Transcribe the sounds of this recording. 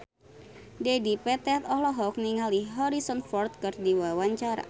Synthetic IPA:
dedipɛt̪ɛt̪ɔhlɔɦɔk̚niŋaliɦɔɾisɔnfɔrt̪̚kɨrdiwawaɲt͡ʃaɾa̰

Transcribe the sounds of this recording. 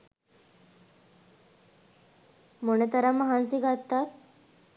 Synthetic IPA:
munet̪ɐɾaməɦansiɡat̪ːat̪

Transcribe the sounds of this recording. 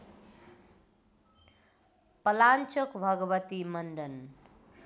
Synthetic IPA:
pʌlant͡ʃʌkbʱʌɡʌbʌt̪imʌnɖʌn

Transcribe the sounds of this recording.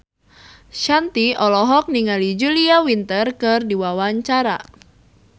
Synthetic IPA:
ʃant̪iɔlɔɦɔk̚niŋalid͡ʒuliawint̪ərkɨrdiwawaɲt͡ʃaɾa̰

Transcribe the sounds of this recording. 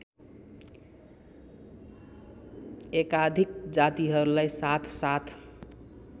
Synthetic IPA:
ekad̪ʱik̚d͡ʒat̪iɦəɾləjsat̪ʰsat̪ʰ

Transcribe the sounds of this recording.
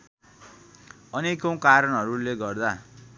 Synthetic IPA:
ʌnekõw̃kaɾʌnɦʌɾuleɡʌrd̪a

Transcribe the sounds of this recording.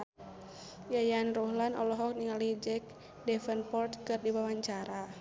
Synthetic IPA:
jajanrɔhlanɔ̰lɔɦɔk̚niŋalid͡ʒɛk̚ | dɛfənpɔrt̪̚kɨrdiwawaɲt͡ʃaɾa

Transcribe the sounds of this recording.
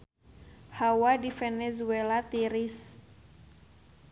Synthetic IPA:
hawadifɛnɛzuɛlat̪iɾis

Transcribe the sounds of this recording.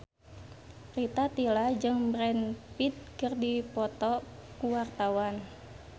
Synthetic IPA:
rit̪at̪ilad͡ʒɨŋbɾɛnpit̪̚kɨrdipɔt̪ɔkuwart̪awan

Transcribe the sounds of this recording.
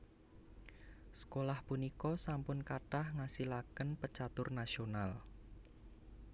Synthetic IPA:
sə̥kolahpunikɔsampʊnkaʈahŋasilakənpət͡ʃat̪ʊrnasional

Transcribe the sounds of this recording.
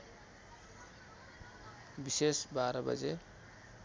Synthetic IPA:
bisesbaɾʌbʌ̰d͡ze

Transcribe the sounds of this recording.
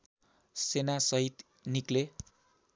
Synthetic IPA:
senasʌɦit̪ | nikle

